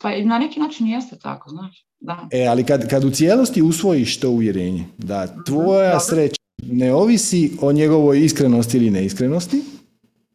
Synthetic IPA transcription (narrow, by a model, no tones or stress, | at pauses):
pananekinaːt͡ʃinjest̪et̪a̰koznaːʃ | d̪aealikad̪kad̪ut̪sjeːlo̞st̪iusʋo̞jiʃt̪o̞ːuʋje̞ɾeːɲḛd̪at̪ʋo̞jasɾet͡ɕaneo̞ʋisio̞ɲe̞ɡo̞ʋo̞jiskɾe̞nost̪iiline̞iskɾenost̪i